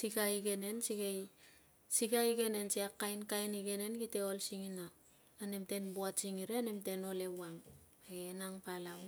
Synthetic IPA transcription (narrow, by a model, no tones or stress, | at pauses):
sikaiɡe̞ne̞nsiɡej | siɡaiɡe̞ne̞nsiakːajnkajniɡe̞ne̞nkite̞olsiŋina | ane̞mte̞nbuasiŋiɾeane̞mte̞no̞le̞waŋ | aenaŋpalaw